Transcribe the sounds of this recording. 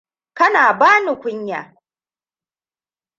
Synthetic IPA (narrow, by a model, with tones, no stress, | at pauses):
kɐ˦naː˨baː˦ni˨kʷʊ˦ɲja̰ː˨